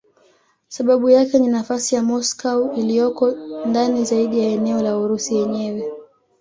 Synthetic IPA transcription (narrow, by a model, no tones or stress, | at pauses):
saɓaɓujakɛninafasijamɔskauilijɔkɔndanizaiɗijaɛnɛɔlauɾusijɛɲɛwɛ